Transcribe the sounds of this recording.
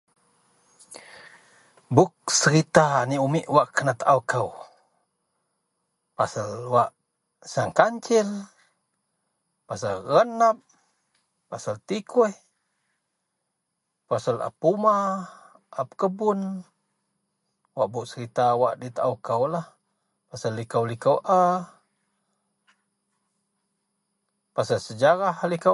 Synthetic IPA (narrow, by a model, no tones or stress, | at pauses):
bʊk̚səɾit̪aniumiʔwaʔkənat̪aawkaw | pasalwaʔ | saŋkaɲt͡ʃɪl | pasalɣənap̚ː | asalt̪ikʰuh | pasala̰pːuma | ʔap̚kəbun | waʔbuʔsəɾit̪awaʔdit̪aʔukawlah | pasalːikawlikawʔa | pasalsəd͡ʒaɾahlika